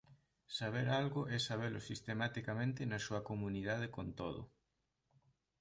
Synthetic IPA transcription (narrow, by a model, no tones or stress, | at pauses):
saβ̞eɾalɣʊʔɛsaβ̞elʊsist̪emat̪ikamẽnt̪ɪnɐsuɐkomuniðað̞ekont̪oðʊ̰